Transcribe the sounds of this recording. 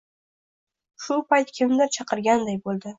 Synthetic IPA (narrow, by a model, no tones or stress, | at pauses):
ʃʊpʰajt̪kʲʰɪmnɪɾt͡ʃʰɑqʰɨɾɡʲand̪ajbolˠd̪ɪ